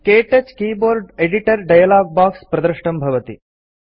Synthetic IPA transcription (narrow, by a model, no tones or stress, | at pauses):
keːʈet͡ʃkiːboːɾɖeɖiʈɐɾɖɐjɐlaːɡ̚baːkspɾɐd̪ɾɐʂʈɐmbʱɐʋɐt̪ḭ